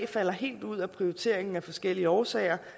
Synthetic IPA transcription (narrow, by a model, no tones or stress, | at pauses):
fæl̰ɐɦe̝̰ːld̥uð̞̰ˠæpʰʁio̝it͡sʰe̝̰ɐeŋn̩æfɒ̽sɡ̥el̰iəɒːsɛ̰ɪɐ